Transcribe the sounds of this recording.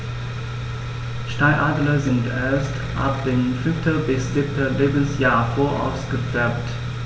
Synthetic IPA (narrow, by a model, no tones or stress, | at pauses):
ʃtaɪʔaːdlɐzɪntʔeːɐst | ʔa̰p̚d̥ɪnfʏnftʰəbɪsz̥ɪp̚tʰəleːbən̩sjaːɐfoːɐʔa̰ʊsɡ̥əfɛɐpt